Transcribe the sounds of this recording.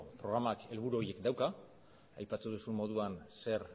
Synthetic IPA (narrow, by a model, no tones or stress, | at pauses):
pɾo̞ɣ̞ɾamake̞lβ̞uɾuo̞ɾje̞kd̪awka | a̰jpat̪uð̞usummo̞ð̞uanse̞ɾ